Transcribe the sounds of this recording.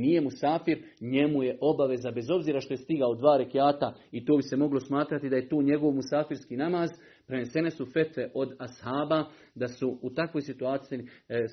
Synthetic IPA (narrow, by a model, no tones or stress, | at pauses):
nije̞musaːfiɾ | ɲe̞muje̞ʔo̞baʋe̞zabe̞zo̞bziːɾaʃt̪o̞je̞st̪iɡaod̪ʋaːɾe̞kjaːt̪ait̪oːbise̞mo̞ɡlo̞smaːt̪ɾat̪id̪aje̞t̪oːɲe̞ɡo̞ʋmusaːfiɾskiːnamaːz | pɾe̞ne̞se̞ne̞sufe̞t̪fe̞ʔo̞d̪ashaːba | d̪asuːt̪akʋo̞jsit̪uaːt̪sii